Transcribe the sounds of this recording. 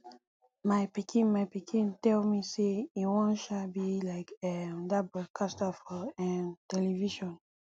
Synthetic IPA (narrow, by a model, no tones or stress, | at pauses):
maɪpikʰĩnmaɪpikʰĩntɛlmiseiwɔ̃nʃabilaɪkɛdabɹɔd̚kʰastafɔɛ̃ntɛliviʃɔ̃n